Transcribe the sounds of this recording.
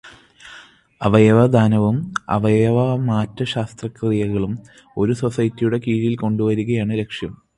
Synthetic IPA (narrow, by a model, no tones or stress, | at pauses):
ɐʋɐjɐʋɐd̪ʱaːnɐʋumɐ̰ʋɐjɐʋɐmaːtːɐɕaːst̪rɐkːrijɐɣɐɭum | o̞ɾuso̞sɐjɐtːijuɽe̞kiːɻilko̞ɳɖuʋɐɾuɣɐjaːɳɨɾe̞kʂjɐm